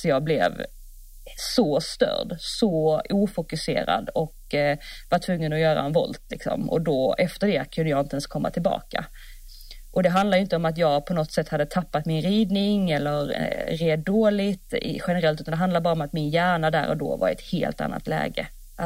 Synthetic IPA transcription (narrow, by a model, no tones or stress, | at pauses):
sɔjɑːɡ̚blɛ̰v | sɔst̪œ̰ɾd̪sɔuːfʊkɵsḛːɾa̰d̪ɔkvaʈʰvɵŋːənɔjœːɾa̰ɛnvɔlt̪lɪksɔ̰mɔ̰d̪ɔɛft̪əɖɛkʰɵnd̪jɑːɡɪnt̪əɛnskʰɔmːa̰t̪ʰɪlbɑ̰ːka̰ | ʔɔd̪ɛɦand̪aɾjʏɪnt̪əɔmat̪jɑːɡpʰɔnɔt̪ːsɛt̪ːhad̪ːət̪ʰapːat̪mɪnɾiːd̪nɪŋɛlːəɾɾed̪oːlɪt̪ɧɛnəɾɛlt̪ʉ̟t̪and̪ɦand̪laɾbɑːɾaɔmat̪mɪnjæːɳad̪æɾɔ̰d̪ɔ̰va̰ɾɛ̰t̪hḛːlt̪a̰nːa̰t̪lɛ̰ːɡə̰